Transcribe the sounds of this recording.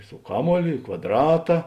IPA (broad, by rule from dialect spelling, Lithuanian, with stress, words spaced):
sʊ ˈkɑːˌmuɔlʲoː ɪ kʋɐdˈrɑːtɐ